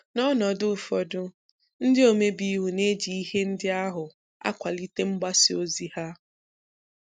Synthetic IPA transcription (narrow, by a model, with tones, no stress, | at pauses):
nɔ˦nɔ˨dʊ˦ʊ˨fɔ˨dʊ˦ | n̩˦dɪ˦o˨me˦bi˨˦wu˨ne˦d͡ʒi˨i˦ɦe˦n̩˦dɪ˦a˦ɦʊ˨ | a̰˦kʷa˨li˦te˦ŋ͡m̩˦ɡ͡ba˦sɪ˨o˦zi˦ha˦